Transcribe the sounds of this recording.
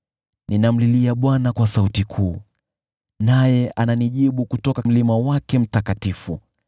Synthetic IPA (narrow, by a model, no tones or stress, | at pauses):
ninam̩liliaɓwanakwasautikʰuː | najɛʔananiʄiɓukutɔkam̩limawakɛm̩takatifu